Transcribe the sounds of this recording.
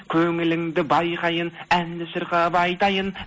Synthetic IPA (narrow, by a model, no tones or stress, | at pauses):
kʲʰɵŋɪlɪŋd̪ɪbɑjqɑjənænlɪʃɪɾqɑvɑːjt̪ɑjən